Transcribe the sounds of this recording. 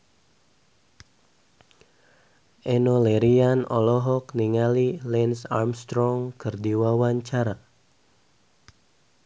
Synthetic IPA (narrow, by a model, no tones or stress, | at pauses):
ʔɛnolɛɾianɔlɔɦɔkniŋalilɛnsarmst̪ɾɔŋkərdiwawaɲt͡ʃaɾa